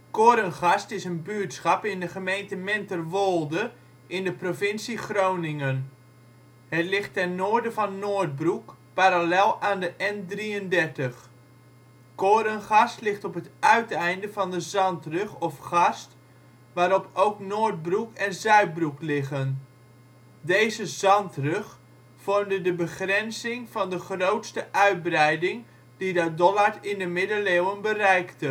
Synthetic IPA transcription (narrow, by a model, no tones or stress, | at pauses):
koːɾənχɑstɪsənbyəɹtsχɑpɪndəχəmejntəmɛntərʋolˠdə | ʔɪndəprofɪnsiχrownɪŋən | hətlɪxtːɛnnoːɹdəvɑnːoːɹd̚brukpaɾalɛlˠaːndəʔɛndriəndɛɹtəχ | koːɾənχɑstlɪχtɔpɦətœɥtɛjndəvɑndəzɑntrɵχɔfχɑst | ʋaːɾɔpʰowknoːɹt̚brukɛnzœɥt̚bruklɪχən | dejzəzɑntrøχ | fɔɹndədəbəχrɛnsɪŋvɑndəχrowtstəʔœɥd̚brɛjdɪŋ | didɑdɔlaɹɪndəmɪdəleːwənbərɛjktə